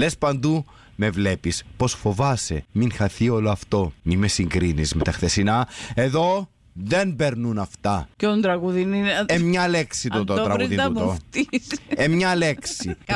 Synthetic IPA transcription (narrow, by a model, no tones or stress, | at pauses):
lespɐnd̪u | me̞vle̞pispo̞sfo̞vɐsḛminxɐθio̞loɐft̪o̞mimesiŋɡɾinizmet̪ɐxθe̞sinɐe̞ðo̞ | ðe̞nbe̞ɾnunɐft̪ɐceond̪ɾɐɣuðinimɲɐle̞ksit̪oɾɐɣɾuðimoft̪isemɲɐle̞ksi